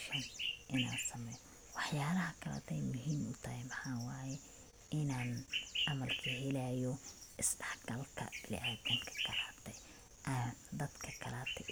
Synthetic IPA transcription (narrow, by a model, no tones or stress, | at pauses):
ʃɐnʔɪna̰ːnsɐmɛjɔ | wɑħjaːlɐɦɐkʰɐla̰ːt̪ʰɛjmʊɦiːmʊt̪ʰɐhɛmɑħaːwaːjɛ | ɪnaːnʔɑmɐlkʰɐɦɛlaːjɔʔɪsɖɐħɡɐlkʰɐ̰b̥ɪlɪ̰ʔaːdɐŋkʰɐ̥kʰɐlaːt̪ʰɛ | ʔad̪ɐd̪kʰɐkʰɐlaːt̪ʰɛ